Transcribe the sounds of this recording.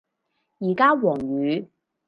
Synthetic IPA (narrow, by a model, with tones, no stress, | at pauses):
jiː˨˩kaː˥wɔː˨˩ŋɥyː˨˧˦